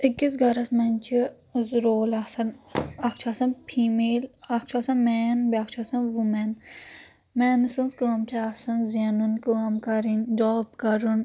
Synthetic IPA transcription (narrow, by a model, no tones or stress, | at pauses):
ikːisɡɐɾɐsmɐnʲt͡ʃʰi | zɾoːlasɐnakt͡ʃʰaːsɐnpʰiːmeːlakʰt͡ʃʰasɐnmɛːnbak̚t͡ʃʰaːsɐnʋumɛn | mɛːnɐsɐnskuɐmʈʰeasɐnzanunkuɐmkaɾindɔːbkɐɾun